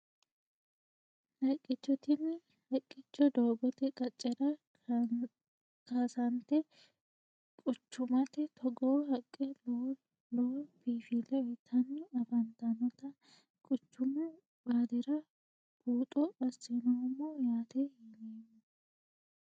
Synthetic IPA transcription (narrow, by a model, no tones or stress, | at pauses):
lɐkʼːɪt͡ʃːɔt̪ɪnː | hɐkʼːɪt͡ʃːɔd̪oːbɔt̪ɛkʼɐt͡ʃʼːɛɾɐ | kaːsɐnt̪ɛ | kʼʊt͡ʃːʊmɐt̪ɛt̪ʰɔɡoːɦɐkʼːɛlo | loːb̥iːfilɛɛt̪ʰɐnːɪɐfɐnt̪ɐnɔt̪ɐ | kʼʊt͡ʃːʊmʊ | baːd̪ɪɾɐ | b̥uːt̪ʼɔbɐsɪnɔɔmːoːjaːt̪ɛhiːneːnːɐ